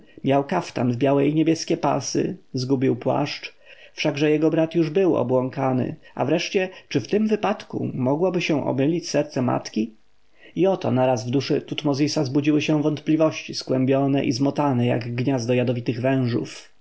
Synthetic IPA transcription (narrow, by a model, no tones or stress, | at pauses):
mʲjawkaft̪anvbʲjawɛiɲebʲjɛskʲɛpa̰sɘ̰zɡubʲiwpwa̰ʂt͡ʂ | fʂaɡʐɛjɛɡɔbɾat̪juʐbɘwɔ̰bwɔŋkanɘ̰a̰vɾɛʂt͡ɕɛt͡ʂɘft̪ɘmvɘpat̪kṵmɔɡwabɘɕɛ̃ʔɔ̰mɘlʲit͡ɕsɛɾt̪sɛma̰t̪kʲi | iɔt̪ɔnaɾazvd̪uʂɘt̪ut̪mɔzʲisazbud͡ʑiwɘɕɛ̃vɔnt̪plʲivɔɕt͡ɕiskwɛmbʲjɔnɛ̰ʔizmɔt̪anɛja̰ɡɡɲazd̪d̪ɔjad̪ɔvʲit̪ɘɣvɛ̃w̃ʐṵf